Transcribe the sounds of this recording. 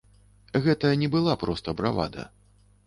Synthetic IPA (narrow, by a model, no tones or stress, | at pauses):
ɣɛt̪ɐjɐnʲɛbɨlˠapɾɔst̪ɐbɾava̰d̪ɐ̰